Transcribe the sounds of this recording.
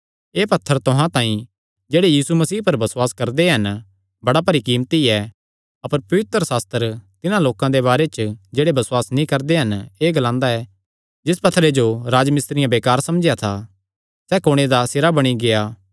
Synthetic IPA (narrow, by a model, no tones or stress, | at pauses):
eːpɐt̪ʰːəɾt̪ʊɦãt̪ãːĩ | d͡ʒeːɽejiːsumɐsiːpɐɾbɐsʊwaːskɐɾd̪eɦɐn | bɐɽapɐɾikiːmt̪iɛ | ɐpəɾpɐʋɪt̪ɾəsaːst̪əɾt̪ɪnãloːkãd̪ebaːɾet͡ʃəd͡ʒeːɽebɐswaːsnĩkɐɾd̪eɦɐneːɡɐlãːnd̪aɛː | d͡ʒɪspɐt̪ʰːɾed͡ʒoɾaːd͡ʒmɪst̪ɾɪjãbeːkaːɾsɐmd͡ʒjat̪ʰa | sɛːkoːɽ̃ed̪asɪɾabɐɽ̃iɡejaː